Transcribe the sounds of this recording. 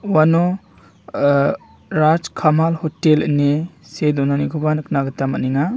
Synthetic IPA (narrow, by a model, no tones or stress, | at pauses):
wano | ɾad͡ʒkʰamalhɔtelnesedɔnanikʰubanɯknaɡɯtamaniŋa